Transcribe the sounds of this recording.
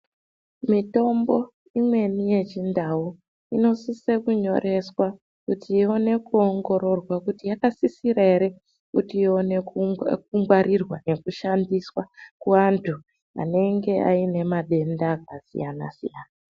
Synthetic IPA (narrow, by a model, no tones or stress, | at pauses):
mito̞mbo̞ | imwe̞nije̞t͡ʃindau | ino̞sise̞kuɲo̞̰ɾʔe̞swa | kutio̞ne̞kuo̞ŋɡo̞ɾo̞rwakutijakasisiɾaeɾe | kutionek̚uŋɡwaɾʔirwane̞kuʃandiswakuʋantʰu | a̰ne̞ŋɡe̞a̰ine̞maɗe̞ndak̚asḭjana̰sḭjaːna